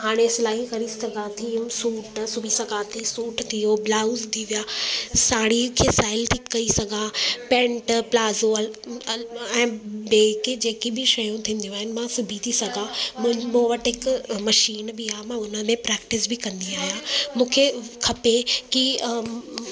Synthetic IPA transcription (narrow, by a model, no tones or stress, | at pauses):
ɦaːɽ̃esɪlaːɦikɐɾisɐɡʱãt̪ʰisuːʈsʊbʱisɐɡʱãt̪ʰisuːʈt̪ʰijoblaːʊzt̪ʰiʋijaːsaːɽikʰeːsaːɪlt̪ʰikːɐɾisɐɡʱãpɛ̃ːɳʈplaːzoɐ | ɛ̃ːbeːked͡ʑeːkibʱɪʃɐjũt̪ʰĩːn̆d̪ijũaːɦɪnɪ̆mãsʊbʱit̪ʰisɐɡʱãmmõʋɐʈɦɪkmɐʃiːnbɪaːɦmãʊnəmẽpɾɛːk̚ʈɪsbʱɪkɐ̃nd̪iaːɦijãːmũːkʰekʰɐpeki